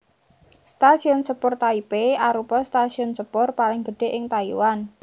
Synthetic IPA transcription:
st̪asiʊnsəpʊrt̪aipeaɾupɔst̪asiʊnsəpʊrpalɪŋɡəɖ̥e̤ʔɪŋt̪aiwan

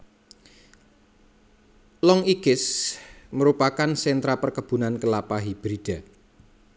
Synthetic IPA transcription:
lɔŋikɪsməɾupakansɛnt̪ɾapərkəb̥ṳnankəlapaɦib̥ɾid̥a̤

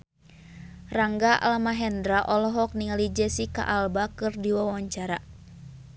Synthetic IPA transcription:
raŋɡaʔa̰lamaɦɛndɾaʔɔlɔɦɔk̚niŋalid͡ʒɛsika̰ʔalbakɨrdiwawaɲt͡ʃaɾa

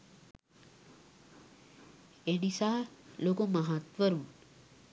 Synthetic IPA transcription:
enisaːlokumaɦat̪ʋəɾun

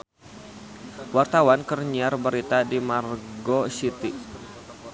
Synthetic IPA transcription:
wart̪awankərɲiarbəɾit̪adimarɡosit̪i

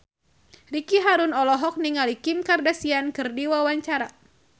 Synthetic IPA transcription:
rikiɦaɾunɔlɔɦɔk̚niŋalikimkardasiankɨrdiwawaɲt͡ʃaɾa

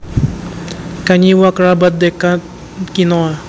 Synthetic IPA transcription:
kaɲiwakɾabat̪̚d̪ekat̪ | kinɔa

